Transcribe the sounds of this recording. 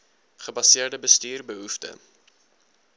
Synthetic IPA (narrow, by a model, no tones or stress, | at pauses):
χəbɐsiərdəbəstyːrbəɦuftə̰